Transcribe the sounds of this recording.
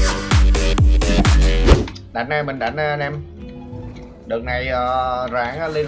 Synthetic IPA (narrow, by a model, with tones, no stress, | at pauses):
ɗa̰˨˩˦nʔaː˧˩mï˨˩ɗa˨˩˦n˧nɛ˧m | ɗɨ˨˩ək̚na˨˩jəː˨˩zaː˨˦ŋa˨˦li˧